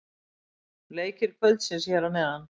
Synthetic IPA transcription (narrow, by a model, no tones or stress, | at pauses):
leːjcɪɾ̥kʰvœlt̪sɪnsjɛːɾamɛðanː